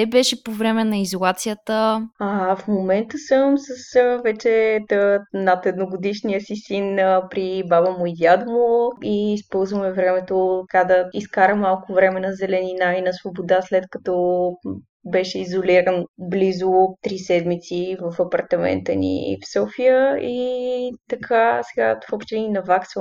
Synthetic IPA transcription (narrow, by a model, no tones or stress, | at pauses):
ɛbɛʃɛpovɾɛmɛnɐizolˠat̪sijət̪əafmomɛnt̪əsəmsəsəvɛt͡ʃɛənat̪ɛd̪noɡod̪iʃnijəsisinpɾibabəmʊid̪ʲjad̪mʊiːspɔlˠzvəmɛvɾɛmɛt̪ot̪kad̪əiskaɾəmalˠkʊvɾɛmɛnɐzɛlɛninainɐsvobod̪aslɛt̪kɐt̪ɔ | bɛʃɛizoliɾənblizʊt̪ɾisɛd̪mit̪sivəfɐpɐɾt̪ɐmɛ̰nt̪ənḭfsɔfijəit̪ɐkʰasɛɡa̰fɔpʃt̪ɛninɐvaksə